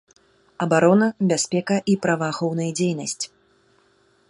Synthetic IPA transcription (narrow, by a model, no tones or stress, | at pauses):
ɐbaɾɔnɐbʲasʲpʲɛkɐʔipɾɐvɐaːxɔwnɐjd͡zʲejnɐsʲt͡sʲ